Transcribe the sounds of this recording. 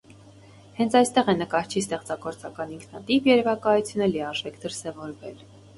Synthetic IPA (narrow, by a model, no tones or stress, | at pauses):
hɛnt͡sʰɑjst̪ɛʁɛnəkɑɾt͡ʃʰist̪ɛχt͡sɑɡɔɾt͡sɑkɑniŋkʰnɑt̪ivjɛɾɛvɑkɑjut͡sʰjunəliɑʒɛkʰd̪əɾsɛvɔɾvɛl